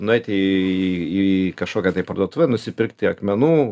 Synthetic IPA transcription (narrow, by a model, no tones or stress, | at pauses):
nʊɛɪt̪ʲe | ikɐʃkoːkʲɛt̪ɐɪpɐɾd̪uɔt̪ʊʋʲɛnʊsʲɪpʲɪɾkt̪ʲɪɐkmʲɛnuː